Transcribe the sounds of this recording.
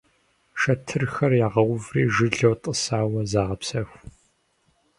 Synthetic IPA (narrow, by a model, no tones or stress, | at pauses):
ʃɐtʰɨrxɐrjaːʁɐwʊvrḭːʒɨɮɐwtʼəsaːwɐzaːʁɐpsɐxʷ